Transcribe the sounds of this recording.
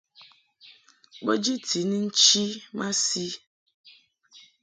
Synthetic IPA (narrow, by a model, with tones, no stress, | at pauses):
k͡po˦d͡ʒi˦tʰi˨ni˦n̩˦t͡ʃi˦ma˦si˦